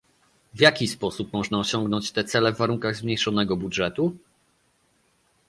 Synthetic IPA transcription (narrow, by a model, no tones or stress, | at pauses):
vʲjakʲispɔsupmɔʐnaɔɕɔŋɡnɔɲt͡ɕt̪ɛt̪sɛlɛvːaɾuŋkaɣzmɲejʂɔnɛɡɔbudʐɛt̪u